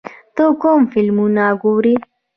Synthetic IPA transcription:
t̪okomfilmunaɡuːɾi

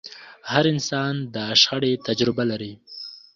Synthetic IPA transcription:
haɾɪnsɑnd̪əʃxaɽet̪ad͡ʒɾɪbalaɾi

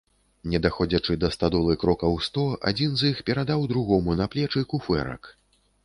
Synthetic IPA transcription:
nʲɛd̪axɔd͡zʲɐt͡ʂɨd̪ɐst̪ad̪ɔlˠɨkɾɔkɐwst̪ɔa̰d͡zʲinzixpʲɛɾad̪awd̪ɾuɣɔmunɐplʲɛt͡ʂɨkufɛ̰ɾɐ̰k

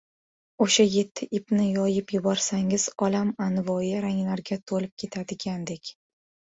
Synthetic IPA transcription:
oʃaje̞t̪ʰːɪʔɪpnɪjɒjɪpjʊbɒɾsaŋɪz̥ɒlamanvɒjɪɾaŋlaɾɡʲat̪ʰolɪp̚kʲʰe̞t̪ʰad̪ɪɡʲand̪e̞kʲ

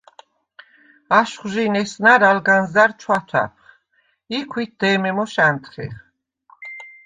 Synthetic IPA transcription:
aʃχʒinɛsnaɾalɡanzaɾt͡ʃʰwat̪ʰwa̰p̚ʰχ | ikʰwit̪̚d̪ɛːmɛmɔʃant̪ʰχɛ̰χ

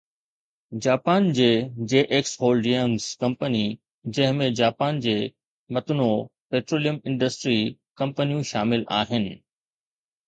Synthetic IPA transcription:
d͡ʑaːpaːnd͡ʑeːd͡ʑeːʔeːksɦoːlɖiənskɐ̃mpəni | d͡ʑɐ̃ɦɪ̃mẽd͡ʑaːpaːnd͡ʑeː | mɐt̪ʊnopeːʈɾoːlijəmɪ̃nɳɖəsʈɾikɐ̃mpənijũʃaːmɪla̰ːɦɪnɪ̆

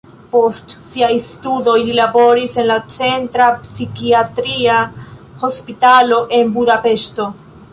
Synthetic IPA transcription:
po̞stsiajstudo̞jlilabo̞ɾise̞nlat͡se̞ntɾapsikiatɾia | ho̞spitalo̞ʔe̞nbudape̞ʃto̞

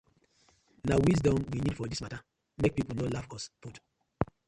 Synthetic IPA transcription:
nawis̬dɔ̃mwinidfɔdismata | mek̚pipulnolafɔsput

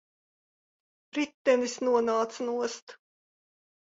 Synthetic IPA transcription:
ɾit̪ːɛnisnuɔnaːt̪snuɔst̪

